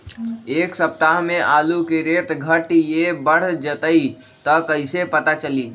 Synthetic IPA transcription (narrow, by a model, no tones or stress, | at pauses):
eːksɐp̚t̪aɦmẽʔaːlukeɾeːt̪ɡʱəʈjebəɽ̤d͡ʒət̪əi | t̪ɔkəɪsepɐt̪at͡ʃəliː